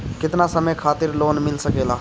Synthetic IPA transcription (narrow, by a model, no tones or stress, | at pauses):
kɪt̪nasəməjkʰaːt̪ɪɾloːnmɪlsəkeːlaː